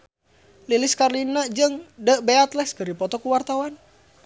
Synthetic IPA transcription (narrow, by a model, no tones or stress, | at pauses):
liliskarlinad͡ʒəŋdəʔbeat̪lɛhskəɾipɔt̪ɔkuwart̪awan